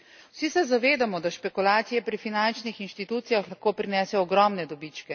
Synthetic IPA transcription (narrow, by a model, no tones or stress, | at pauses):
wsisɛzaʋeːd̪amɔd̪aʃpɛkulaːt̪sijɛpɾifinant͡ʃnixinʃt̪it̪uːt̪sijaxlaxkoːpɾinɛːsɛɔɡɾɔmnɛd̪ɔbit͡ʃkɛ